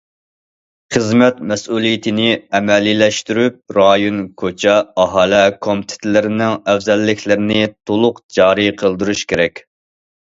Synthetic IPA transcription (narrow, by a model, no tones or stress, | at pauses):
χəzmɛt̪mɛsulˠijɪt̪ʰɪnɪɛmɛlilɛʃt̪yɾyp̚ɾɑːjonkʰot͡ʃʰɛɑɦɑːlɛkʰomt̪ʰɪ̥t̪ʰɪlɪɾɪnɪŋɛvzɛlːɪkʲʰlɪɾɪnɪt̪ʰolˠʊqd͡ʒɑːɾiqʰəlˠd̪uɾuʃkʲeɾɛkʲ